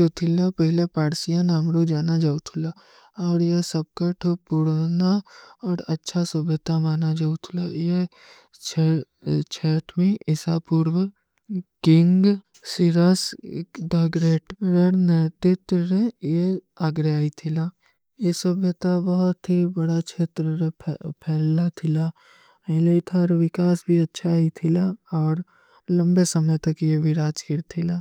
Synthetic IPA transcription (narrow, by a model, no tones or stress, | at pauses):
ot̪ʰɪlapɛɦɪlepaːɾsijanaːmɾod͡ʒaːnad͡ʒaːut̪ʰʊla | ɔːɾjesɐb̚kaʈʰopʊɽnaɔːɾɐtːʃʰasəbʱjət̪amaːnad͡ʒaːut̪ʰʊlaje | t͡ʃʰ | t͡ʃʰɛːʈʰmẽʔɪsapuɾwə | kɪ̃ŋɡ | siɾasɖaːɡɾeːʈɾəɾnet̪et̪ɾeje | aːɡɾaːit̪ʰɪlaː | jesɐbʱjət̪abɐɦɔt̪ɦibɐɽat͡ʃʰeːt̪ɾəɾʰpʰɛːlːat̪ʰɪla | eleit̪ʰaɾʋɪkaːsbʱiɐtːʃʰait̪ʰɪlaɔːɾ | lɐ̃mbesɐməjt̪ɐkjeʋɪɾaːt͡ʃiɾt̪ʰɪlaː